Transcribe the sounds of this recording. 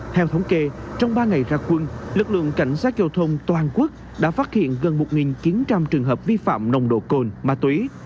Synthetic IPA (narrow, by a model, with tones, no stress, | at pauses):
t̪ʰɛ˧wt̪ʰə˨˦wŋ͡mke˧t͡ɕɔ˧wŋ͡mɓaː˧ŋa˨˩jzaː˧kwə˧nlɨ˨˩k̚lɨ̰˧˨əŋka̰˧˩jŋ̟saː˦˥t̚zə˧wt̪ʰə˧wŋ͡mt̪waː˨˩nku˦˥ək̚ | ɗa̰ː˧˥faː˦˥t̚hḭ˧˨ənɣə˨˩nmo˨˩t̚ŋi˨˩nt͡ɕi˨˦nt͡ɕa˧mt͡ɕɨ˨˩əŋɦəː˨˩p̚vi˧fa̰ː˧˨mnə˨˩wŋ͡mɗo̰˧˨ko˧nmaː˨˧˩t̪wi˨˦